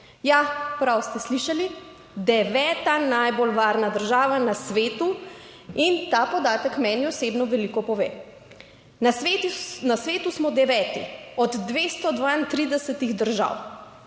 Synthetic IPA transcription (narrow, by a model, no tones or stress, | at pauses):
japɾawst̪ɛsliʃali | d̪ɛʋɛːt̪anajbolʋaɾnad̪əɾʒaːʋanasʋeːt̪u | int̪aːpɔd̪aːt̪əkmɛniɔseːbnɔʋɛlikɔpɔʋeː | nasʋeːt̪unasʋeːt̪usmɔd̪ɛʋɛːt̪ḭɔd̪ːʋeːst̪ɔd̪ʋaint̪ɾiːd̪ɛsɛt̪iɣd̪əɾʒa̰w